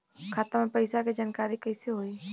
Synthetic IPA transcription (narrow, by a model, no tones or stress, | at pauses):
kʰaːt̪əɾmẽpɐɪsaked͡ʒaːnkaːɾikəɪseɦoːiː